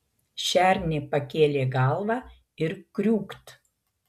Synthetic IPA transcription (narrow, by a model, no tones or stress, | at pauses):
ʃʲæɾʲnʲepɐkʲeːlʲeːɡɑˑlˠʋɑː | ɪɾkɾʲuːkt̪